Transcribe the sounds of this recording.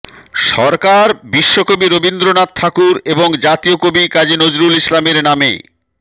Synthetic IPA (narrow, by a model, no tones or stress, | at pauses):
ʃɔɾkaɾbiʃːokobiɾobind̪ɾonat̪̚t̪ʰakuɾeboŋd͡ʑat̪iokobikad͡ʑinod͡ʑɾulislameɾnamḛ